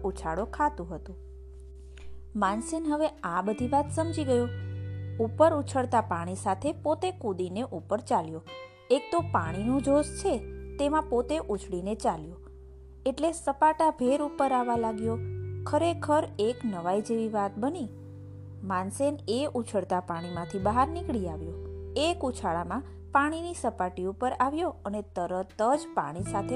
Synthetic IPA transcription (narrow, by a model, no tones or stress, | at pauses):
ut͡ʃʰaɽokʰat̪ũɦət̪ũ | mansenɦəʋeabəd̪ʱiʋat̪səmd͡ʒiɡəjo | upəɾut͡ʃʰəɽt̪apaɽ̃isat̪ʰepot̪ekud̪ineʔupəɾt͡ʃaljo | ek̚t̪opaɽ̃inũd͡ʒʱost͡ʃʰet̪emãpot̪eʔut͡ʃʰɭinet͡ʃaljo | eʈlesəpaʈabʱeɾupəɾaʋalaɡjokʰəɾekʰəɾeknəʋaid͡ʒeʋiʋat̪̚bəni | manseneʔut͡ʃʰəɽt̪apaɽ̃imãt̪ʰibəɦaɾnikɭiaʋjoekut͡ʃʰaɭamã | paɽ̃inisəpaʈiupəɾaʋjoənet̪əɾət̪əd͡ʒpa̰ɽ̃isat̪ʰe